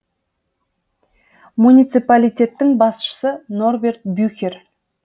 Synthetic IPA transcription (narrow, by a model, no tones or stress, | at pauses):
munijt̪sɨpalʲijt̪ʲe̞t̪ːɪŋbɑsʃə̥səno̞rbe̞rt̪̚bjukʲer